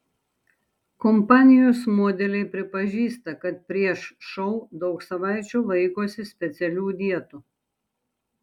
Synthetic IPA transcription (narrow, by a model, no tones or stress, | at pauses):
kɔmpaːnʲijusmoːd̪ʲɛlʲɛjpɾɛpɐʒiːst̪ɐkɐt̪̚pɾiɛʃʃɔwd̪ɔwksɐʋajt͡ʃuʋɛjkɔːsispʲɛt̪sʲɛlʲud̪ʲiɛt̪u